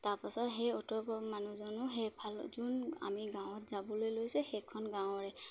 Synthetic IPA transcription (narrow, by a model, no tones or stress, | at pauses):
taɹpasɔtɦɛɔtɔpɔmanuzɔnʊɦɛjpʰalzuna̰miɡãw̃ɔtzabɔlojlojsuxɛkʰːɔnɡãw̃ɹɛ